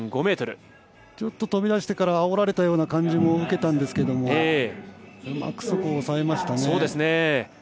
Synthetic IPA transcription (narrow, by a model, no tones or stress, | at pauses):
ɡo̞me̞ːt̪oɾɯ̟ | t͡ɕo̞t̪ːo̞t̪o̞bʲid̪aɕi̥t̪e̞kaɾaːoɾaɾe̞t̪ajo̞ːnakãɲ̟d͡ʑimo̞ɯ̟ke̞t̪ãnd̪e̞sɨ̥ke̞d̪o̞moe | ma̰kɯ̟̥sokoːsaemaɕi̥t̪aneoːd̪e̞sɨne